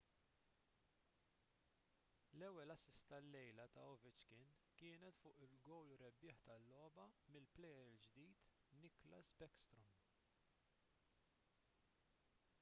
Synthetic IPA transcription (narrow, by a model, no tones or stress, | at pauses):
lɛwːɛlɐsɪst̪ɐlːɛjlɐt̪ɐ̰ɔvɪt͡ʃkɪn | kɪːnɛt̪fʊːʔɪlɡɔwlʊɾɛbːɪːħt̪ɐlːɔːbɐmɪlplɛjɛɾɪld͡ʒd̪iːt̪ | nɪklɐ̰sbɛkst̪ɾɔm